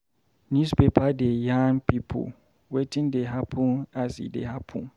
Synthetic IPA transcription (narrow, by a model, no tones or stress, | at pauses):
nuspepʰadejãnpʰipʰo̰ | wetʰɪ̃ndeɦapʰũnasḭdḛhapʰṵ̃n